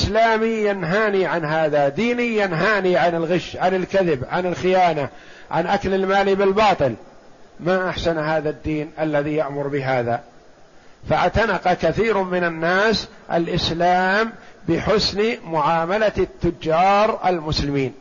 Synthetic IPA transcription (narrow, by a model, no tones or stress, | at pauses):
slaːmijanɦaːniʕanɦaːðad̪iːnɪːanɦaːniʕanɪlɣɪʃʕanɪlkaðɪbʕanɪlxɪjaːna | ʕanʔaklɪlmaːlibɪlbɑːt̪ˤɨlmaʔaħsanhaːðad̪ːiːnʔalːaðijaʔmʊɾbɪɦaːða | faʕt̪anɑqɑkaθiːɾmɪnanːaːs | ʔa̰lʔɪslaːmbɪħʊsnmʊʕaːmalat̪ːʊd͡ʒːɑːɾˤʔa̰lmʊslɪmiːn